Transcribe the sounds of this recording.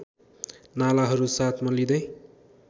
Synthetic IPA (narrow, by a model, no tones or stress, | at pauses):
nalaɦʌɾusat̪ʰmʌlid̪ʌj